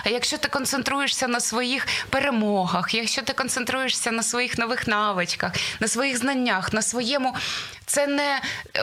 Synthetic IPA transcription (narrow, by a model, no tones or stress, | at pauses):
jɐkʃt͡ʃɔt̪ɪkɔnsent̪ɾujeʂsʲɐnɐsʋɔjixpeɾemɔɦɐxjɐkʃt͡ʃɔt̪ɪkɔnsent̪ɾujeʂsʲɐnɐsʋɔjixnɔʋɪxnɑʋɪt͡ʃkɐxnɐsʋɔjiɣznɐnʲːaxnɐsʋɔjɛmʊt̪sɛnɛ